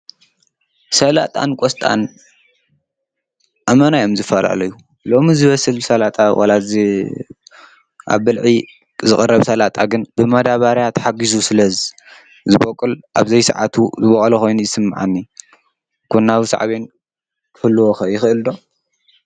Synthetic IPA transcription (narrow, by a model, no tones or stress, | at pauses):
sɐla̰t̪ʼa̰nkʷʼɔst̪ʼa̰n | ʔamɐnajomzɨfːɐla̰lɐjːu | lo̞mizɨβɐsɨlsɐlat̪ʼawʔa̰laz | ʔa̰βːɨlʕi | zɨxʼɨrːɐβsɐlat̪ʼaɡɨnbɨmɐd̪aβaɾjat̪ħaɡizusɨlɐzi | zɨβokʼːɨlʔa̰βzɐjsɨ̰ʕa̰t̪ʰuzɨβɐχʼɐlɐxo̞jnujɪsɨmːaʕa̰nːi | kʰunːaβisa̰ʕa̰βen | kʰɨhɨlːɨwoxɐjɪxɨʔɨld̪o̞